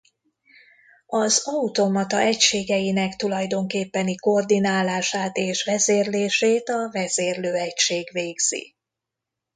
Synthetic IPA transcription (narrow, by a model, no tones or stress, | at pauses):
ɒzɒut̪o̞mɒt̪ɒʔɛcʃeːɡɛjinɛkt̪ulɒjd̪o̞ŋkeːpːɛniko̞rd̪inaːlaːʃaːt̪eːʃʋɛzeːrleːʃeːt̪ɒvɛzeːrløːɛcʃeːɡveːɡz̥ḭ